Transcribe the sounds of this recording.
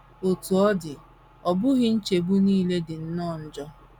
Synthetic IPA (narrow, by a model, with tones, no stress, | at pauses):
o˨tu˨ɔ˦dɪ˨ | ɔ˨bʊ˦ɣɪ˦n̩˦t͡ʃe˨bu˦niː˦le˦dɪ˨n̩˦nɔ˦˨n̩˦d͡ʒɔ˦